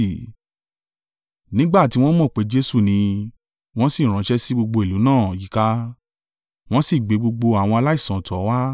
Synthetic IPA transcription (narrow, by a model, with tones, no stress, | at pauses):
nĩ˦ɡ͡ba˦˨ti˧˦w̃ɔ̃˦mɔ̃˦˨k͡pe˨˦d͡ʒe˦su˦˨nĩ˧ | w̃ɔ̃˦si˦˨ɾ̃ã˨˦ʃɛ˦si˦ɡ͡bo˧ɡ͡bo˧e˨lu˨˦nãː˦˨ji˨˦ka˧ | w̃ɔ̃˦si˦˨ɡ͡be˨˦ɡ͡bo˧ɡ͡bo˧a˨w̃ɔ̃˧a˧la˦i˦˨sã˨tʰɔ˨˦wa˦